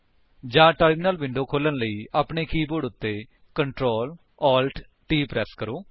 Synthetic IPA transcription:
d͡ʒãːʈəɾmːnəlʋɪ̃ɳɖoːkʰoːlənləiːʔaːpɳeːkiːboɖʊt̪ːeː | kəɳʈɾoːl | ɔːlʈ | ʈiːpɾɛːskəɾoː

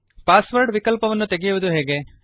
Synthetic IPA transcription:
paːsʋɐɾɖʋikɐlpɐʋɐnːut̪eɡijuʋud̪uɦeːɡe

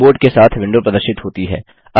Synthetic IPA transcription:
oːɾɖkesaːt̪ʰʋɪ̃ɳɖopɾɐd̪əɾʃɪt̪ɦoːt̪iɦɛ̰ː | ɐ

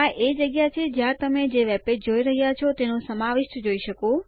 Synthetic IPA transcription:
aʔed͡ʒəɡjat͡ʃʰed͡ʒjãt̪əmed͡ʒeʋɛped͡ʒoiɾəɦjat͡ʃʰɔt̪enõsəmaʋɪʃd͡ʒoiʃəkõ

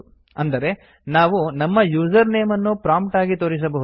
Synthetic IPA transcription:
ɐnd̪ɐɾe̞ | naːʋunɐmːɐjuːd͡ʒɐɾneːmɐnːupɾaːmpʈaːɡit̪oːɾis̬ɐbɐɦu

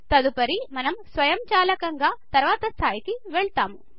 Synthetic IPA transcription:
t̪ɐd̪upɐɾimɐnɐmsʋɐjɐmt͡ʃaːlɐkɐŋɡaːt̪ɐɾʋaːt̪ɐst̪ʰaːjikiʋeɭt̪aːmu

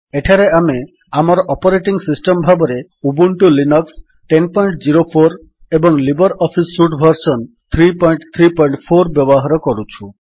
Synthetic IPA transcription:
eʈʰaɾeame | amɔɾɔʔɔpɔɾeʈiŋsisʈɔmbʱabɔɾe | ubuɳʈulinɔks | ʈenpɔjɳʈd͡ʒiɾopʰoɾ | ebɔŋlibɔɾɔpʰisːuʈbʱɔɾsɔn | t̪ʰɾipɔjɳʈt̪ʰɾipɔjɳʈpʰoɾbjɔbɔɦaɾɔkɔɾut͡ʃʰu

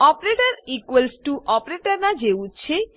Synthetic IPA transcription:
ɔpɾeʈaɾikwelsʈuʔɔpɾeʈaɾnad͡ʑeutːt͡ɕʰe

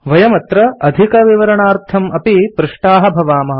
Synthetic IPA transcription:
ʋɐjɐmɐt̪ɾɐɐd̪ʱikɐʋiʋɐɾɐɳaːɾt̪ʰɐmɐpipɾuʂʈaːɦɐ̆bʱɐʋaːmɐɦɐ

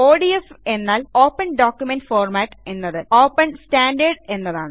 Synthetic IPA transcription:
oːɖiefe̞nːaːloːpːɐnɖoːkjumenɖfoːrmaːʈːe̞nːɐðɨoːpːɐnsʈaːɳɖɐrɖe̞nːɐðaːɳɨ

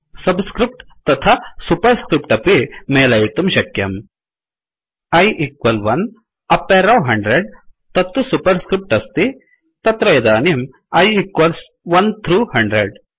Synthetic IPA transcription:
sɐbskɾip̚ʈt̪ɐt̪ʰasupɐɾskɾipʈɐpimeːlɐjit̪umʃɐkjɐm | ɐjʔikʋɐlʋɐn | ɐpːeːɾɐwɦɐɳɖɾeɖ̚t̪ɐt̪ːusupɐɾskɾip̚ʈɐst̪i | t̪ɐt̪ɾɐjɐd̪aːnim | ɐjikʋɐls | ʋɐnt̪ʰɾuːhɐɳɖɾeɖ

